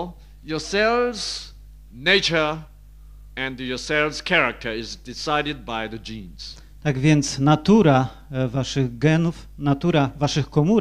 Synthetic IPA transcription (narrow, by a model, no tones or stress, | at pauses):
jəsɛlˠvz̥ | neɪt͡ʃə˞ | ɨ̃njɔsɛlˠvz̥kʰɛɹak̚tʰə˞ɪzdɪsaɪɾɨd̚baɪðɨd͡ʒĩnz̥ | t̪aɡvʲjɛnt̪snat̪uɾa | vaʂɨɣɡɛnuf | nat̪uɾavaʂɨxkɔmuɾ